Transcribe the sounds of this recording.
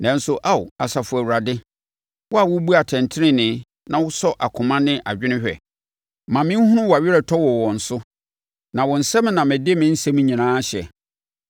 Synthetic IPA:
nã˨n̩˦sʊ˦ʔa˦˨ʊ̰˨a˨sa˨fʊ˨˦æ˨wu˨ɾa˨dɪ˦ | wɔ˦a˨wʊ˦bu˦a˨tʰɛ̃˨ntʰɪ˦nɪ̃˦nɪ̃˦ | nã˨wʊ˦sɔ˦ʔa˨kʰʊ̃˨mã˦nɪ̃˦ʔa˨d͡ʑᶣɪ˦nɪ̃˦ɕᶣɛ̰˨ | mã˨mɪ̃˦hʊ̃˦nʊ̃˦wɔ˨a˨ɥɪ˦ɾɛ˨tʰɔ˦wɔ˨wɔ̃˨n̩˨sʊ˦ | nã˨wɔ̃˨n̩˨sɛ̃˦m̃˦nã˨mɪ̃˨dɪ˦e˦mɪ̃˦n̩˦sɛ˦mũ˦ɲĩ˨nãː˦ɕɛ̰˨

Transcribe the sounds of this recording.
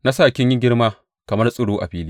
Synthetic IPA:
na˦saː˦˨kʲɪ˦ɲjɪ˦ɡʲɪ˦rmaː˦ | kɐ˨mɐ˦rsʼʊ˦ɽoː˦ʔa̰˨ɸiː˦liː˦

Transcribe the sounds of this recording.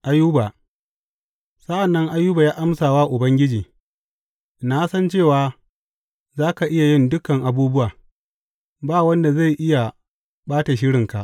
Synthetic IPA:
ʔa˦jʊ˦ba˨ | sɐ˦ʔa˨nːɐ˦ŋʔa˦jʊ˦ba˨jaː˦ʔa˦msaː˨waː˦ʔʊ˨bɐ˦ŋɡʲɪ˦d͡ʒiː˨ | na˦sɐ˦nt͡ʃeː˦˨waː˨˦ | zaː˦ka˨ʔɪ˦ja˨jɪ˦ndʊ˦kɐ˨ŋʔa˨buː˦bʊ˦waː˨ | baː˦wɐ˦nda˨za˦˨jʔɪ˦ja˨ | ɓaː˦ta˨ʃɪ˦ɽɪ˨ŋka˨ʔ

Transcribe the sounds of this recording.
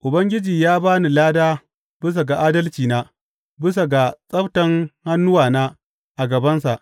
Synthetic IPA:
ʔʊ˨bɐ˦ŋɡʲɪ˦d͡ʒiː˨jaː˦baː˦ni˨laː˦daː˦ | bɪ˦s̬a˨ɡa˨ʔaː˦dɐ˦lt͡ʃiː˨naː˦ | bɪ˦s̬a˨ɡa˨sʼɐ˦ɸtɐ˦ŋha˦nːʊ˦waː˨naː˦ | ʔa˨ɡɐ˨bɐ˦nsa̰˨ʔ

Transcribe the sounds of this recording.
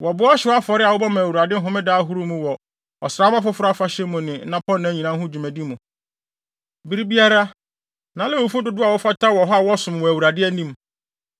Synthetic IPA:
wɔ˨bʊ˦ɔ˦ɕɪ˨wa˦fɔ˨ɾɪ˦a˨wʊ˦ba˦mã˨wu˨ɾa˨dɪ˦ɦʊ̃˦mɪ̃˦daː˦ɦu˦ɾu˦mũ˦wɔ˨ | ɔ˨sɾaː˦mã˦fʊ˦fʊ˦ɾa˦fa˦ɕɛ˦mũ˨nɪ̃˨˦nã˦pʰɔ˦nːã˨˦ɲĩ˨nã˦ŋ˦ɦʊ̃˦d͡ʑi˨mæ˨di˦mũ˨ | bi˨ɾi˦bi˦a˦ɾa˦ | nã˨˦lɪ˦wo˨fu˦dʊ˨dʊ˦a˨wɔ˦fa˦tʰa˦wɔ˨ɦɔ˦a˦˨wɔ˦sʊ̃˨m˨wɔ˨æ˨wu˨ɾa˨dɪ˦æ˦nĩ˦m

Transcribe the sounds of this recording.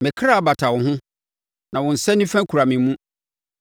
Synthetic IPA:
mɪ̃˨kʰɾa˦˨ba˨tʰa˨wʊ̃˨ɦʊ̃˦ | nã˨wʊ̃˨n̩˨sɛ˦nĩ˦fɛ̃˦kʰu˨ɾa˨mɪ̃˨˦mũ˦

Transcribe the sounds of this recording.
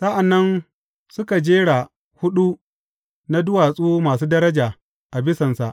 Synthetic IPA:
sɐ˦ʔa˨nːɐ˦n | sʊ˦ka˨d͡ʒeː˦ɽa˨ | hʊ˦ɗu˦ | na˦dʊ˦waː˨sʼuː˦maː˨suː˦dɐ˦ɾɐ˦d͡ʒaː˨ | ʔa˨bɪ˦sɐ˨nsa˨ʔ

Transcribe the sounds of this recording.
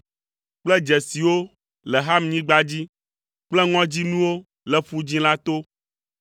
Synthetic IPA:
k͡plɛ˦d͡ʒɛ˨si˨wo˦ | lɛ˨ɦa˦mɲĩ˦ɡ͡ba˦d͡ʑi˦ | k͡plɛ˦ŋɔ̃˦d͡ʑi˦nũ˦wo˦ | lɛ˨ɸu˦d͡ʑĩ˦la˦t̪o˦

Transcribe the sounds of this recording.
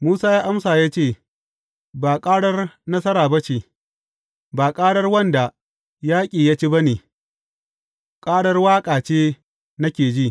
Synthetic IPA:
muː˦saː˦jaː˦ʔa˦msaː˨jaː˦t͡ʃeː˦˨ | baː˨kʼaː˦ɽɐ˦rnɐ˦sɐ˦ɾaː˨bɐ˦ʃe˨ | baː˨kʼaː˦ɽɐ˦rwɐ˦nda˨ | jaː˦kʲʼiː˨jaː˦t͡ʃi˦bɐ˦neː˨ | kʼaː˦ɽɐ˦rwaː˦kʼaː˨t͡ʃeː˦ | nɐ˦kʲeː˨d͡ʒiː˦ʔ

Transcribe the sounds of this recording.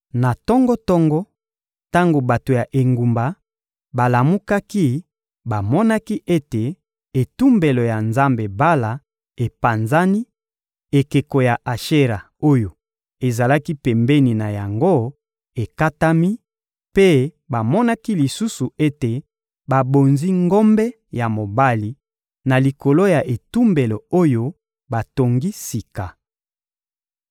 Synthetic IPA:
na˨tɔ˦ŋɡɔ˦tɔ˦ŋɡɔ˦ | ta˦ŋɡo˨ba˨to˨ja˨ʔe˨ŋɡu˨mba˨ | ba˨la˨mu˦ka˦ki˦ | ba˨mɔ˦na˦ki˦ʔe˦te˨ | e˨tu˦mbe˨lo˨ja˨nza˦mbe˨ba˦la˨ | e˨pa˨nza˦ni˦ | e˨ke˨ko˨ja˨ʔa˨ʃe˦ʁa˨ | o˦jo˨ | e˨za˨la˦ki˦pɛ˨mbɛ˦ni˨na˨ja˨ŋɡo˦ | e˨ka˦ta˦mi˦ | pe˦ | ba˨mɔ˦na˦ki˦li˨su˦su˨e˦te˨ | ba˨bo˨nzi˦ŋɡo˦mbɛ˦ | ja˨mo˨ba˦li˨ | na˨li˨ko˨lo˦ja˨ʔe˨tu˦mbe˨lo˨o˦jo˦ | ba˨to˨ŋɡi˦si˨ka˨

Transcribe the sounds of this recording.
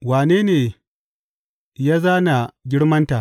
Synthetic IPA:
waː˨neː˦neː˨ | jaː˦zaː˦na˨ɡʲɪ˦ɽmɐ˦nta˨

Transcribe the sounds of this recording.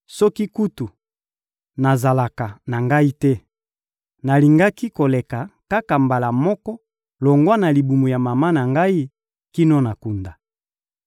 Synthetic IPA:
sɔ˦ki˦ku˦tu˨ | na˨za˨la˨ka˨na˨ŋɡa˦i˦tɛ˦ | na˨li˨ŋɡa˦ki˦ko˨le˨ka˨ka˦ka˨mba˨la˨mɔ˦kɔ˦ | lo˨ŋɡwa˦na˨li˨bu˨mu˨ja˨ma˨ma˦na˨ŋɡa˦i˦ | ki˦nɔ˦na˨ku˨nda˨

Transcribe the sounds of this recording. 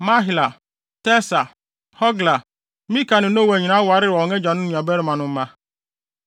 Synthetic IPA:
ma˦ɦi˨la˨ | tɛ˦sa˨ | hɔ˦ɡla˨ | mĩ˦ka˨nɪ̃˨no˦we˨ɲi˨nã˦wa˨ɾɪ˦ɾɪ˨ɔ˨ŋe˦d͡ʒa˨nʊ̃˦nĩ˨a˨bɛ˦ɾɪ˨mã˨nʊ̃˦m̩˦mã˦

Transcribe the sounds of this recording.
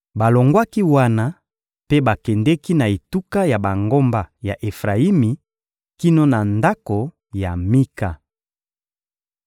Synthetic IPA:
ba˨lo˨ŋɡwa˦ki˦wa˦na˦ | pe˦ba˨kɛ˨ndɛ˦ki˦na˨e˨tu˦ka˦ja˨ba˨ŋɡo˦mba˨ja̰˨ʔe˨fʁa˨i˦mi˨ | ki˦no˦na˨nda˦ko˨ | ja̰˨mi˦ka˨

